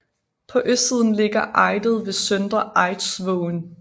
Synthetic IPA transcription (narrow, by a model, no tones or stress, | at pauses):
pʰɒ̽ʔøsd̥sið̞̰ˠn̩le̝ɡ̥ɐʔɑ̈ɪd̥ð̩ˠʋe̝sœnd̥ʁɐʔɑ̈ɪd̥sʋɔʊn